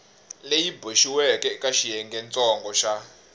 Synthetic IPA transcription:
lejiboʃiwɛkɛkʼaʃijɛŋɡɛnt͡sʼɔŋɡɔʃa

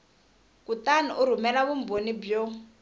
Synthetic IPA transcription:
kutaniʔuɾumɛlaβumbonibjo

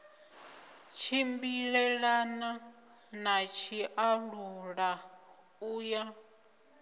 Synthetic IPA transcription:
t͡ʃʰimbiɺɛɺana | nat͡ʃʰiʔaɺuɺa | uːja

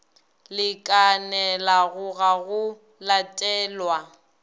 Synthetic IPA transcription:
lɪkʼanɛlaɣʊɣaɣʊ | latʼɛːlwa

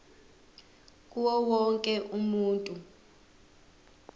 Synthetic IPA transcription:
k̬ʼuwɔwɔŋkʼɛʔumuːntʼu

